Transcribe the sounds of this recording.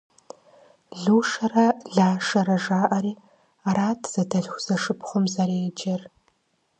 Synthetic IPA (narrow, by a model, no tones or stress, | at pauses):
ɮuːʂɐrɐɮaːʂɐɾɐʐaːʔaɾiː | aɾaːtʰz̥ɐdɐɮxʷz̥ɐʂɨpʰχʷʊmzaɾeːd͡ʒɐr